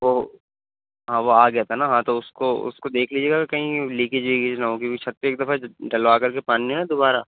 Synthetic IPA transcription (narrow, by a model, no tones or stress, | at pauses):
ʋoː | ɦãːʋoaːɡɐjat̪ʰanaɦãːt̪oʊskoʊ̰skod̪eːkʰliːd͡ʒeːɡaekɐɦĩliːkɪd͡ʒliːkɪd͡ʒnaɦõkiit͡ʃʰɐt̪ːeeːk̚d̪ɐfaɖɐlʋaːkɐɾkepaːniɦẽad̪obaːɾa